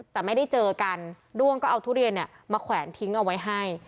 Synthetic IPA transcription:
t̪ɛː˨˩ma˥˩jda˥˩jt͡ɕɤː˧ka˧n | ɾu˥˩əŋkɔː˥˩ʔa˧t̪ʰu˥˩ɾi˧ənːi˧˩ə | maː˧kʰwɛː˩˦nt̪ʰi˦˥ŋʔa˧wa˦˥jɦa˥˩j

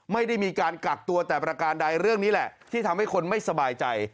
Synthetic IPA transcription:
ma˥˩jda˥˩jmiː˧kaː˧nka˨˩k̚t̪u˧ɐt̪ɛː˨˩pɾa˧kaː˧ndaː˧jɾɯ˥˩əŋniː˦˥lɛ˨˩ʔt̪ʰiː˥˩t̪ʰa˧mha˥˩jkʰo˧nma˥˩jsa˧baː˧jt͡ɕa˧j

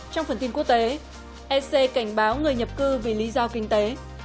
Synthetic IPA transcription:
t͡ɕɔ˧wŋ͡mfə˧˩nt̪i˧nku˦˥ək̚t̪e˨˦ | ʔɛ˧se˧ka˧˩jŋ̟ɓaː˨˦wŋɨ˨˩əjɲə˨˩p̚kɨ˧vḭ˧˩li˨˦zɔ˧kï˧ŋ̟t̪e˨˦

